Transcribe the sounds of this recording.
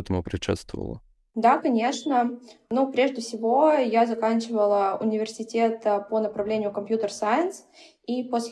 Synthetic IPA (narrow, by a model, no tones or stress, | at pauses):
ɛt̪əmʊpɾʲɪʂɛ̰t̪st̪və̰və̰lˠə̰ | d̪akɐnʲe̞ʂnənupɾʲe̞ʐdʲɪfsʲɪvo̞jazɐkanʲt͡ɕɪvəlˠəʊ̰nʲɪvʲɪrsʲɪtʲe̞t̪ponəpɾɐvlʲenʲɪjʊkɐmpʲjut̪ərsajɪns | iposʲ